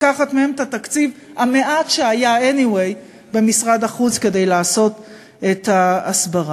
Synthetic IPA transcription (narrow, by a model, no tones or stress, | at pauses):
kaχatmehe̞metat̪akt͡sivhame̞ʔatʃeajaeniwe̞j | be̞misʁadaχut͡ske̞de̞jlaːso̞t | etaːsbaʁa